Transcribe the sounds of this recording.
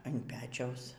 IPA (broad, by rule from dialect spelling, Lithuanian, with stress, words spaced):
ɐn ˈpʲæːt͡ʃʲɛʊs